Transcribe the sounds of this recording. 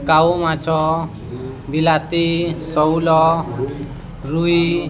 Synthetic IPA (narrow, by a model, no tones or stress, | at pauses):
kaomat͡ʃʰɔ | bilat̪isɔwlɔ | ɾuj